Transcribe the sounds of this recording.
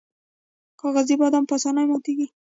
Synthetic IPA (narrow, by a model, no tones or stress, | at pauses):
xɑɣazibɑd̪ampasɑnajmɑt̪iɡi